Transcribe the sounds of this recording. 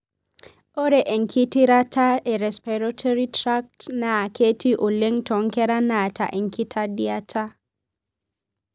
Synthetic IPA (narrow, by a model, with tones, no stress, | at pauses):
o˦ɾe˨ʔe˨ŋkʰi˦ti˦ɾa˦ta˦ʔɛ˨ɾɛ˨spɛ˨ɾɔ˦tʰɔ˦ɾi˦tɾa˦k̚tnaː˨kʰe˦ti˦ʔo˨le˦ŋtɔ˨ŋkɛ˦ɾa˦na˨ta̰˨ʔɛ˨ŋkʰi˦tʰa˦dia˦tʰa˦